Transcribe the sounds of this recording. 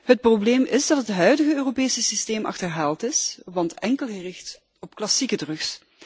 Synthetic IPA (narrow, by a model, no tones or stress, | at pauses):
ɦət̚probleːmɪzdɑtɦətɦœɥdəɣəøːropeːsəsisteːmʔɑ̰xtəɹɦaːlˠtɪsʋɑntɛŋkəlˠɣərɪxt | ɔpklɑsikədrɵks